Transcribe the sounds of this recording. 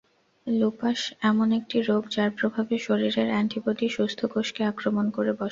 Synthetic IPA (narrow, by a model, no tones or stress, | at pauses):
lupaʃɛmonek̚ʈiɾoɡd͡ʑaɾpɾobʱabeʃoɾiɾeɾanʈibot̪iʃust̪ʰokoʃkeakɾomonkoɾebɔʃ